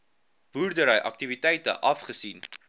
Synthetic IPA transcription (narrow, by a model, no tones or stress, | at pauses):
b̥uːrdəɾəjʔɐk̚tivitɛjtə̰ʔɐfχəsin